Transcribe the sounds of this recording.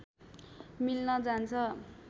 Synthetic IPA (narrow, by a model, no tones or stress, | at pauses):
milnʌd͡zant͡sʰʌ